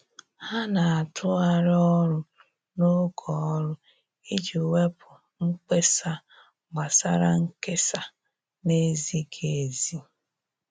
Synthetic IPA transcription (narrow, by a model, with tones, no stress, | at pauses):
ha˦na˨a˨tʰʊ˦a˦ɾɪ˦ɔ˦ɾʊ˦ | no˦ɡʰɔ˨˦ɾʊ˦ | i˦d͡ʒu˨we˦pʰʊ˨ | ŋ̩˦k͡pe˦sa˦ | ɡ͡ba˨sa̰˦ɾa̰˦ŋ̩˦ke˦sa˨ | ne˦zi˦kʰe˨zi˦